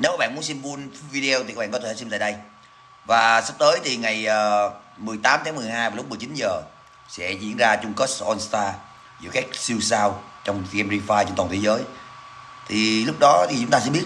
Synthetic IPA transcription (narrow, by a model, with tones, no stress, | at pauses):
ne˨˦wkaː˦˥ɓ̰ːmu˨˦ənsi˧mvu˧nvi˧ɗi˧ə˧w̪i˨˩kːa˦˥ɓaː˧˨kɔ˦t̪ʰːsi˧mt̪a̰ː˧˨ɗə˧j | vaː˨˩sa˦˥p̚t̪əː˨˦jt̪ʰi˨˩ŋa˨˩jʔəː˨˩ | mɨ˨˩jt̪aː˨˦mt̪ʰaː˨˦ŋmɨ˨˩əjhaː˧jvaː˨˩lʊ˦˥k͡p̚m˨˩jt͡ɕï˨˦nzəː˨˩ | sɛ̰˧˥zḭ˧˨ənzaː˧t͡ɕʊ˧ŋ͡mkəː˦˥sʔɔ˧nst̪aː˧ | zɨ̰˧˨˩kaː˦˥k̚si˧wsaː˧wt͡ɕɔ˧wŋ͡mɣɛ˧mzi˧faː˧jt͡ɕɔ˧ŋ͡mt̪wa˨˩t̪ʰe˨˦jzəː˨˦j | t̪ʰi˨˩lʊ˦˥k͡p̚ɗɔ˨˦t̪ʰi˨˩t͡ɕʊ˨˦ŋ͡mt̪aː˧sɛ̰˧˥ɓi˦˥ət